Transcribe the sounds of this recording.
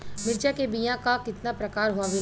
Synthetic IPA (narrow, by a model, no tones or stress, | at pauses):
mɪɾd͡ʒakebijãkakɪt̪napɾɐkaːɾɦoaʋɪ